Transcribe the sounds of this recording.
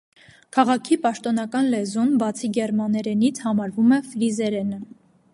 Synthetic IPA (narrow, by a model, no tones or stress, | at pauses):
kʰɑʁɑkʰipɑʃt̪ɔnɑkɑnlɛzumbɑt͡sʰiɡɛɾmɑnɛɾɛnit͡sʰhɑmɑɾvumɛfɾizɛɾɛnə